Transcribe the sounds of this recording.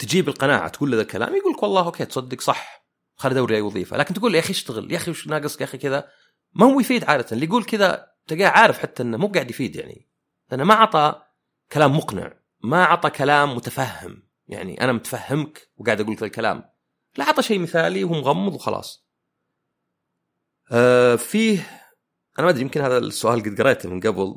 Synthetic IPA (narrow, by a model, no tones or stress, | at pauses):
t̪ɪd͡ʒiːbɪlqɑna̰ːʕa̰t̪ɡuːlːaðalkala̰ːmjɡuːlkwɑlˤːɑːhʔoːkʰeːt̪sˤɑd̪ːɪksˤɑħ | wxalːd̪awɾjajwɑðˤḭːfa̰laːkɪnt̪ɡuːlːiʔaxiʃt̪aɣɪ̰ljʔaxiwɪʃnaːɡɨsˤkʔaxikɪða | mahʊwːjfiːd̪ʕaːd̪at̪anlijɡuːlkɪða̰ | t̪aɡaːʕaːɾɪfħat̪ːaʔɪnːamuːb̚ɡaːʕɪd̪jfiːd̪ja̰ʕnḭ | lɪʔanːamaʕɑt̪ˤɑ | kalaːmːʊqnɪ̰ʕ | maʕɑt̪ˤɑkʰalaːmːʊt̪afahːɪ̰m | ja̰ʕnḭʔa̰namʊt̪ḁfahːamkwɡaːʕɪd̪ʔaɡuːlkɪlalkala̰ːm | laʕɑt̪ˤɑʃejːmɪθaːliwuːmʊɣɑmːɨðˤwxɑ̰lʔɑ̰ːsˤ | ʔfiːh | ʔanamad̪ɾijɪmkɪnhaːðasːʊʔaːlɡɪd̪ɡɑɾˤeːt̪mɪnɡabl